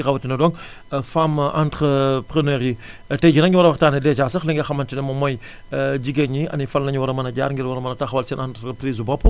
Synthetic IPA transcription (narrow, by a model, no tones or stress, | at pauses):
ixɐwɐtinɐdɔːŋ | famantɾəpɾənɛːɾi | tɛɟinɐŋiwɐɾɐwɐxtaːnɐdɛt͡ʃaːsɐxliŋɡɐxɐmɐntinɐmɐmɔj | ɟiɡɛɲiɐ̰nifɐnlɐɲiwɐɾɐmɐnɐɟa̰ːɾŋɡiɾwɐɾɐmɐnɐtɐxwɐlsɛnantɾəpɾiːzbɔpː